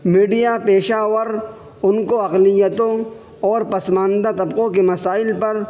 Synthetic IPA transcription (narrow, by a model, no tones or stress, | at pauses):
miːɖijapeːʃaːwəɾ | ʊnkoɐqlɪjət̪õ | ɔːɾpɐsmaːnd̪at̪ɐbqõkemɐsaːɪlpɐɾ